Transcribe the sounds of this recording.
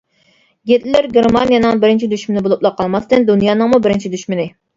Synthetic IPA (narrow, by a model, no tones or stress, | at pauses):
ɡʲet̪lɪlɪɾɡʲeɾmɑnijɑnɨŋbɪɾɪnt͡ʃʰid̪yʃmɪnɪbolˠuplˠɑqʰːɑlˠmɑst̪ɨnd̪unjɑːnɨŋmubɪɾɪnt͡ʃʰid̪yʃmɪnɪ